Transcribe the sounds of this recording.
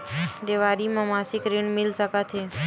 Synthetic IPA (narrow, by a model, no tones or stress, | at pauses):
d̪eʋaːɾimãmasikɾiɳmɪlsəkət̪ʰɦeː